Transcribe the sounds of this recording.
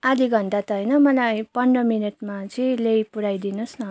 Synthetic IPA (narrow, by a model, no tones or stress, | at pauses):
ad̪iɡʱʌnd̪at̪ʌɦʌjnʌmʌlajpʌɳɖʌminiʈmat͡sĩlejpuɽajd̪inusnʌ